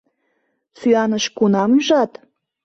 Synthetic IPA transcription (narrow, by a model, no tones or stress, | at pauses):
syɑnəʃkunɑmʒɑt̪